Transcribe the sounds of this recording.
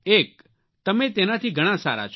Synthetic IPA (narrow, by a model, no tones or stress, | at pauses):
eːk̚ | t̪əmẽt̪enat̪ʰiɡʱəɽ̃ãsa̰ːɾa̰t͡ʃʰ